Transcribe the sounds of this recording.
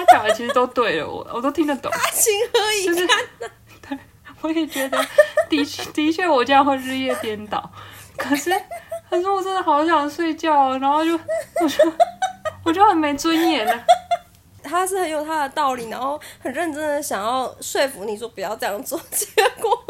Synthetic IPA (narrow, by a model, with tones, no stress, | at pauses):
t̪a˥t͡ɕjɑ˨˩ŋə˧˩t͡ɕʰi˧˥ʂɻ̩˧t̪o˥ʊt̪we˥˩ɪlə̰˩wɔ̰˨˩wɔ˨˩t̪o˥ʊt̪ʰi˥ŋd̪ə˨t̪ʊ̰˨˦˥ɕi˧˥ŋə˧˥i˨˩˥ʂ̩˥˧a˥˩nə˩ | t̪we˥˩ɪ | wɔ˧˥jɛ˨˩t͡ɕɥɛ˧˥d̪ə˧t̪i˧˥t͡ɕʰt̪i˧˥t͡ɕʰɥɛ˥˩wɔ˨˩t͡ɕjɑ˥ŋxwe˥˧ɪɻɻ̩˥˧jɛ˥˧t̪jɛ˥nt̪ɑ˨˦ʊkʰɤ˨˩ʂɻ̩˥˩kʰə˨˩ʂɻ̩˥˩wɔ˨˩ʈ͡ʂə˥d̪ə˩xɑ˧˥ʊɕjɑ˨˩ŋʂwe˥˧ɪt͡ɕjɑ˥˧ʊɻa˧˥nxo˥˧ʊt͡ɕjo˥˧ʊwɔ˨˩t͡ɕo˥˧˩ʊwɔ˨˩t͡ɕjo˥˩ʊxə˨˩nme˧˥ɪt͡swə˥njɛ˥˩nə˩ | t̪ʰa˥ʂɻ̩˥˩xə˧˥njo˨˩ʊt̪ʰa˥d̪ə˨t̪ɑ˥˩ʊli˨˩na˧˥nxo˥˩ʊxə˨˩nɻə˥˩nʈ͡ʂə˥ŋd̪ə˨ɕjɑ˨˩ŋjɑ˥˧ʊʂwe˥˩ɪfu˧˥ni˨˩t͡ɕɔ˥˩pu˨˩jɑ˥˧ʊʈ͡ʂɤ˥˧jɑ˥˧˩ŋt͡swɔ˥˩t͡ɕɛ˥kwɔ˨˩